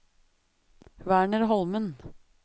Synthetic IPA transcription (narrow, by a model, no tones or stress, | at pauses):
ʋæːɳəɾɦɔlmən